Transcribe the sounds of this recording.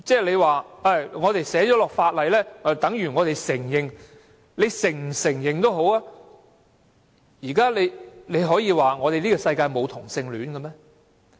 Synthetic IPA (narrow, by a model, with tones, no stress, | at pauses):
t͡sɛː˥˩le˨˧jwaː˨ɐ˧˩jŋɔː˨˧t̪e˨jsɛː˨˥t͡ʃɔː˨˥lɔː˨k̚faː˧t̚lɐ˨jlɛː˥˨˩t̪ɐ˨˥ŋjyː˨˩ŋɔː˨˧t̪e˨jsɪ˨˩ŋjɪ˨ŋ | le˨˧jsɪ˨˩ŋm̩˨˩sɪ˨˩ŋjɪ˨ŋt̪o˥wɦo˨˥waː˧˥ | jiː˨˩kaː˥le˨˧jle˨˧jɦɔː˨˥jiː˨˧waː˨˩ŋɔː˨˧ɾe˨liː˥ɔː˧sɐ˧jkaː˧jmo˨˧wt̪ʰʊ˨˩ŋsɪ˧ŋlyː˨˥nkɐ˧mɛː˥